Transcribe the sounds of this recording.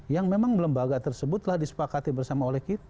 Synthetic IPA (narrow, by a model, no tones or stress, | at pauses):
jaŋmemaŋmələmbaɡat̪ərsəbʊt̪lahdisə̥pakat̪ibərsamaolɛhkit̪